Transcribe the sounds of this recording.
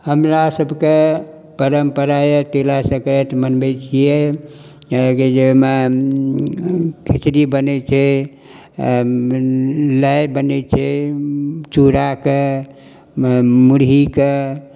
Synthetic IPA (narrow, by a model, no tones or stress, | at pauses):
həmɾasəbʱke | pəɾəmpəɾajet̪elasə̃kəɾet̪mənbɛt͡ʃʰije | ked͡ʒeme | kʰit͡ʃɾibənɛt͡ʃʰɛ | ləjbənɛt͡ʃʰɛ | t͡ʃuɾake | muɾɦike